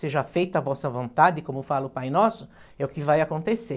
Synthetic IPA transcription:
seʒafejt̪avɔsɐvõnt̪ad̪ɪkõmʊfalɐʊpajnɔsʊ | ɛʊkɪvajakõnt̪ese

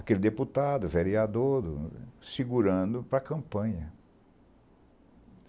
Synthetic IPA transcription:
akelɪd̪eput̪ad̪ʊveɾiad̪od̪ʊ̰siɡuɾɐ̃d̪ʊpɾɐkɐ̃mpɐ̃ɲɐ

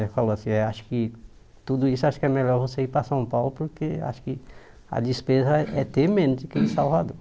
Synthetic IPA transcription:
faloasĩɛaʃʊ̥kɪ | t̪ud̪ʊisʊaʃʊ̥kɪɛmɛʎɔɾvoseipɾɐsɐ̃w̃pawlʊpoɾkea̰ʃʊ̥kɪ | ɐ̰d͡ʒispezɐɛt̪emẽnʊzd̪akelɪsawvad̪oɾ

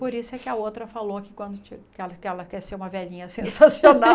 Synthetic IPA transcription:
poɾisʊɛkɪɐowt̪ɾɐfalokɪkwɐ̃nd̪ʊt͡ʃikɛlɐkɪɛlɐkɛɾseɾũmɐvɛʎĩɲɐsẽsasiona

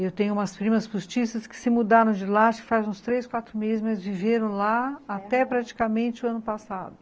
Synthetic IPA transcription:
ewt̪ẽɲʊũmɐspɾĩmɐspust͡ʃisɐskɪ̥sɪmud̪aɾɐ̃w̃d͡ʒɪlaʃɪ̥fazũst̪ɾeskwat̪ɾʊmezɪzmɐjzviveɾɐ̃w̃laat̪ɛpɾat͡ʃi̥kamẽnt͡ʃɪʊɐ̃nʊpasa̰d̪ʊ

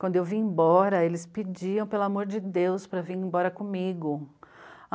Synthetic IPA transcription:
kw̃nd̪ʊewviẽbɔɾɐelɪsped͡ʒiɐ̃w̃pelʊamoɾd͡ʒɪd̪ewspɾɐviɾẽbɔɾɐkõmiɡʊ

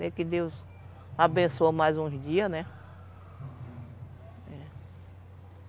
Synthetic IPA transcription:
ɛkɪd̪ewz | abẽsoɐmajzũd͡ʒiɐnɛ | ɛ

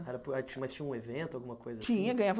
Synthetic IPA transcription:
ɛɾɐpʊat͡ʃĩmajst͡ʃĩɲɐ̃ũevẽnt̪ʊawɡũmɐkojzɐst͡ʃĩɲɐɡɐ̃ɲavɐ

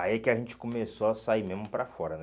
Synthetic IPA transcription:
aiɛkɪaʒẽnt͡ʃɪ̥komesoasaimezmʊpɾafɔɾɐnɛ

